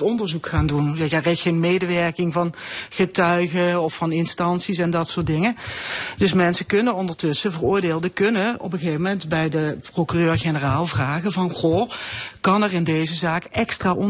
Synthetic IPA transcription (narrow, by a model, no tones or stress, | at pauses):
tɔndəɹzukχaːndunɛjaːrɛtxenmejdəʋɛɹkɪŋvɑnχətœɥɣəɔfɑnɪnstɑnsis̬ɛndɑtsʊːɹtdɪŋədɵsmɛnsəkɵnənɔndəɹtɵsəvərʊːɹdeːlˠdəkɵnəɔ̰pəɣejvəmɛntbɛjdəprokyrøːrχenəraːlˠvraːɣəvɑnχokɑnɛrɪndejzəzaːkɛkstraːʔɔ